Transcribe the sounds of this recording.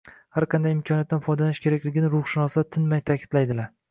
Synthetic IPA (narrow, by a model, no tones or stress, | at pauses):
haɾqʰɑnd̪ajɪmkʰɒnjat̪ːanfɒjd̪alaʃkʲʰe̞ɾakʲlɪɡʲɪnɪɾʊχʃɪnɒsd̪at̪ʰɪnmajt̪ʰakʲʰɪ̥d̪̥lajd̪ɪlaɾ